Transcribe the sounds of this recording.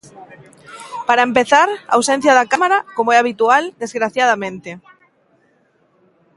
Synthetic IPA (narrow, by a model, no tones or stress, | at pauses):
paɾaempeθaɾa̰ːwsẽn̟θjaðakamaɾakomoɛaβit̪uald̪ezɣɾaθjað̞amẽnt̪e